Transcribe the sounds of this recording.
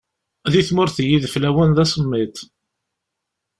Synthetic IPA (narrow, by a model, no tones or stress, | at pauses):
ðiθmʊɾθjiðflæwænðæsəmːit̪